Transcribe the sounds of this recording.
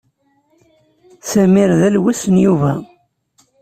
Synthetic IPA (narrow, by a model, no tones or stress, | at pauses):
sæmiɾðælwisənjuvæ